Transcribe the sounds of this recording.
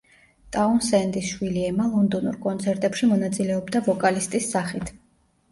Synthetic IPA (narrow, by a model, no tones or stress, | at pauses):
t̪ʼaunsɛnd̪isʃwiliɛmalˠɔnd̪ɔnṵɾkʼɔnt̪sʰɛɾt̪ʼɛpʃimɔnat̪sʼilɛɔbd̪avɔkʼalist̪ʼisːaχit̪ʰ